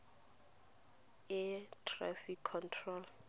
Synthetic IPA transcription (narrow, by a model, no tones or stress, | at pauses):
ɪtʰra̰fikʰːɔntʰrɔl